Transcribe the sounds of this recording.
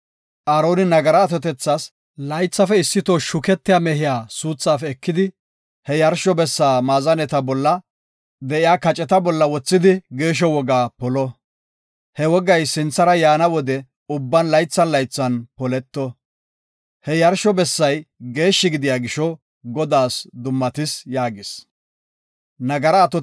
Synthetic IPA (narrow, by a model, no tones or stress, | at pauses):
ʔaːɾo̞ːnɪnɐɡɐɾɐːt̪ɔt̪ɛt͡sːas | lɐjt͡sːɐfɛɪsːɪt̪oʃʊkɛt̪ːɪjaːmɛɦɪjaːsuːt͡sːaːfɛːkːɪd̪ɪ | hɛjɐɾʃɔbɛsːaːmaːzɐnɛt̪ɐbɔlːɐ | d̪ɛʔɪjaːkɐt͡ʃʼɛt̪ɐbɔlːɐwɔt͡sːɪd̪ɪɡe̞ːʃ̬ɔwɔɡaːpɔlɔ | hɛwɔɡɐjsɪnt͡sːɐɾɐjaːnɐwɔd̪ɛ | ʊbːɐnlɐjt͡sːɐnlɐjt͡sːɐnpɔlɛt̪ːɔ | hɛjɐɾʃɔbɛsːɐjɡe̞ːʃːɪɡɪd̪ɪjaːɡɪʃɔ | ɡɔd̪aːsd̪ʊmːɐt̪ɪsjaːɡɪs | nɐɡɐɾɐːt̪ɔ